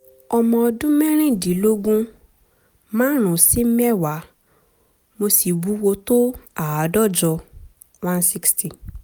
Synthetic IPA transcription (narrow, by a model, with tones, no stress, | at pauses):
ɔ˧mɔ̃˧ɔ˧dũ˦mɛ̃˦ɾ̃ĩ˦˨di˨˦lo˦ɡũ˦ | mãː˦ɾ̃ũ˨si˦m̩˦mɛ˦˨wa˨˦ | mo˧si˨bu˨˦wo˧to˦a˨a˨˦dɔ˦˨d͡ʒɔ˧ | wã˦nsi˦ksti˨